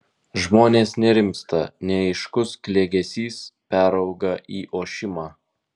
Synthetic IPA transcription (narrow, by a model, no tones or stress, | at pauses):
ʒmoːnʲeːsnʲɛɾʲɪmʲst̪ɐnʲɛɪʃkʊsklʲeːɡʲɛsʲiːspʲæːɾɐʊɡɐʔiːʔoːʃʲɪmɑː